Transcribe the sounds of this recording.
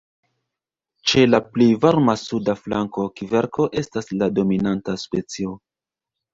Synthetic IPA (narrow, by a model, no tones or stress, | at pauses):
t͡ʃe̞laplejvaɾmasudafla̰ŋko̞kive̞ɾkʰo̞ʔe̞staslado̞minantaspe̞t͡sio̞